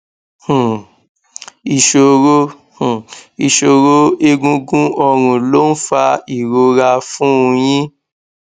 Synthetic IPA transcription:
hũ˨ | i˨ʃo˧ɾo˦ | hũ˨i˨ʃo˧ɾo˦e˦˧ɡũ˧˦ɡũ˦ɔ˧ɾ̃ũ˨lo˦n̩˦fa˧i˨ɾo˧ɾa˧fũ˦ũ˧jĩ˦

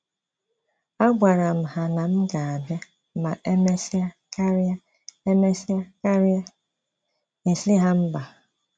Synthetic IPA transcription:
a˦ɡʷa˨ɾa˨m̩˨ɦa˨na˨m̩˦ɡa˨a˨be˦ | ma˨ʔe˦me˦sa˦ka˦ɾa˦ | e˦me˦sa˦ka˦ɾ | i˨sɪ˦ɦa˦m̩˦ba˨

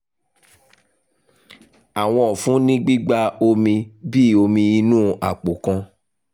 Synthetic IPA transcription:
a˨w̃ɔ̃˧ɔ˨fũ˨˦nĩ˦ɡ͡bi˦ɡ͡ba˧o˧mĩ˧bi˦˨o˧mĩ˧i˧nũː˦ʔa̰˨k͡po˨kã˧

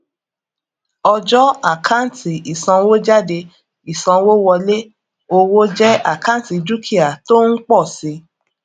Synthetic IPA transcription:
ɔ˧d͡ʒɔ˦a˦˨kʰã˦n̩˨tʰi˨i˨sã˧wo˦d͡ʒa˦˨de˧ | i˨sã˧wo˦wɔ˧le˦ | o˧wo˦d͡ʒɛ˦a˦˨kã˦n˨˦ti˧d͡ʒu˦kʰi˦a˨to˦n̩˦k͡pɔ˦˨si˧˦

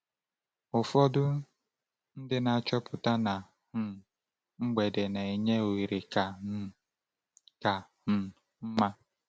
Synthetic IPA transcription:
ʊ˨fɔ˦dʊ˦ | n̩˦dɪ˦na˨a˨t͡ʃɔ˦pʊ˨ta˦na˨˦ | ŋ͡m̩˦ɡ͡be˨de˨ne˨e˨ɲe˦o˨i˨ɾe˨ka˨˦ | ka˨˦˨ | m̩˦ma˦

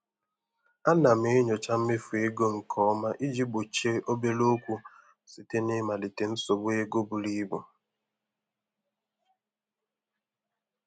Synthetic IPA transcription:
a˦na˨m̩˨e˨˦ɲo˨t͡ʃa˦m̩˦me˦fu˨e˦ɡo˦ŋ̩˨kʰɔ˦ma˦ʔi˦d͡ʒi˦bo˨t͡ʃe˦ʔo˦be˦lo˦kʷu˦ | si˨te˦ne˦ma˨li˨te˨n̩˦so˨ɡ͡be˦ɡo˦bu˨li˦bʊ˨

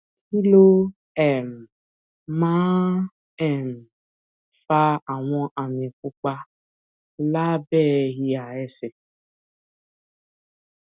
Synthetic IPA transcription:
ki˦lo˦ | ɛ˨m˨ | mã˦ | ɛ˦˨n˨ | fa˧a˨w̃ɔ̃˧ʔa˨mĩ˨kʷu˦k͡pa˧ | la˦bɛ˦˨ɦi˧a˨ɛ˦se˨

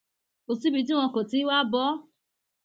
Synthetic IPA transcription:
o˨si˦bi˧˦t̬i˦w̃ɔ̃˧ko˨ti˨˦wa˦bɔ˨˦

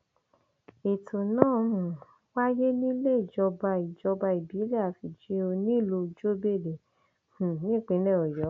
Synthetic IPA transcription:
e˨tʰo˨nãː˦˨mũ˨ | wa˦je˦nĩ˦le˦˨d͡ʒɔ˧ba˧i˨d͡ʒɔ˧ba˧i˨bi˨˦le˦a˨fi˨d͡ʒi˨˦o˧nĩ˦˨lo˧d͡ʒo˦be˦˨de˨ | h̩˨nĩ˦˨k͡pẽ˨˦nɛ̃˦˨ɔ˨jɔ˨˦

